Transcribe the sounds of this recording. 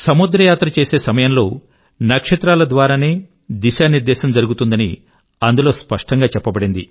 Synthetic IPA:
sɐmud̪ɾɐjaːt̪ɾɐt͡ʃe̞ːse̞ːsɐmɐjɐmlo̞ː | nɐkʂɐt̪ɾaːlɐd̪ʋaːɾaːneː | d̪iʃaːniɾd̪ɛːʃɐmd͡ʒɐɾuɡut̪und̪ɐnḭ | ɐnd̪ulo̞ːspɐʂʈɐŋɡaːt͡ʃɛpːɐbɐɽind̪i

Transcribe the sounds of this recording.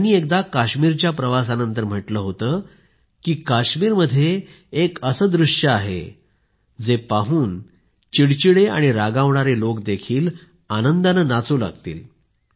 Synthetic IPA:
niːek̚d̪akaɕmiːɾt͡ɕjapɾəʋas̬anənt̪̬əɾm̤əʈləːɦot̪əː | kiːkaɕmiːɾməd̪ʱːjeː | kəsəd̪ɾuʂjəaɦḛ | d͡zepaɦuːn | t͡ɕiɽt͡ɕiɽea̰ɽ̃iɾaɡãʋɳaɾelokd̪ekʰiːl | anənd̪anəːnat͡suːla̰ɡt̪ḭːl

